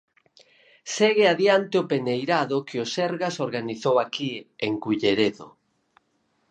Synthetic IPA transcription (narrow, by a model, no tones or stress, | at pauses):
seɣeaðjant̪eopenejɾaðʊkɪʊsɛɾɣasoɾɣaniθowakieŋkuʎeɾeðo̰